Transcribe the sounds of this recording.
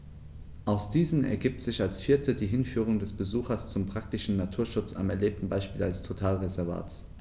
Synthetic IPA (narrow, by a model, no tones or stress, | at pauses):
ʔaʊsd̥iːzn̩ɛ̰ɐɡiːp̚tz̥ɪçalsfiːɐtʰədiːɦɪnfyːʁ̞ʊŋdɛsb̥əzuːxɐst͡sʊmpʁ̥ak̚tɪʃn̩natʰuːɐʃʊt͡sa̰mɛɐleːp̚tn̩baɪʃpiːlalstʰotʰaːlʁezɛɐva̰ːt͡s